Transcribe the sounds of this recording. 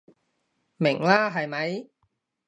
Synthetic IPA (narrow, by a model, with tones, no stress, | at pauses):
mɪ˨˩ŋlaː˦˥ɦɐ˨˩jmɐ˨˧˥j